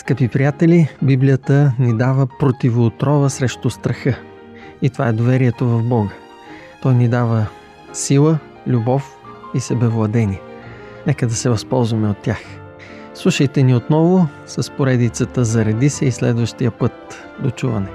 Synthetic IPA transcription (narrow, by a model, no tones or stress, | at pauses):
skəpipɾijat̪ɛlibiblijət̪ənid̪avəpɾot̪ivoːt̪ɾɔvəsɾɛʃt̪ʊst̪ɾɐxɤ | it̪ovaɛd̪ovɛɾiɛt̪ovɐvbɔɡə | t̪ɔjnid̪avə | silˠə | lʲubɔf | isɛbɛvlˠɐd̪ɛnʲi | nɛkəd̪ɐsɛvɐspɔlˠzvɐmɛot̪ʲːjax | slˠuʃəjt̪ɛniot̪nɔvʊ | sɐspoɾɛd̪it̪sət̪əzɐɾɐd̪isɛislɛ̰d̪vəʃt̪ijəpɤt̪̚ | d̪ot͡ʃuvɐ̰nɛ